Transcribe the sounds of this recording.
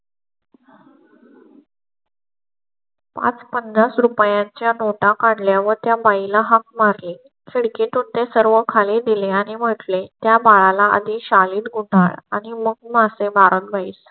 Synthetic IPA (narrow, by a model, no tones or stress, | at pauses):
pa̰t͡spəndasɾupjãɲt͡ɕjanoʈakaɳɖljaʋət̪jabailaɦak̚maɾli | kʰeɽkeʈunt̪esəɾʋəkʰaled̪ileaɽ̃im̤əʈlet̪jabaɭalaə̰d̪ʱiɕaliːt̪ɡuɳɖa̰ɭaɽ̃iməɡmasebʱaɾət̪baiːs